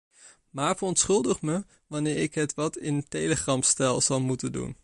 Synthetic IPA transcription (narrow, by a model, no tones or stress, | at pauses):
maːɹvərɔntsχɵlˠdəχmə | ʋɑnɪːɾɪkɦətʋɑtɪntejləχrɑmstɛlˠz̥ɑlˠmutəndṵn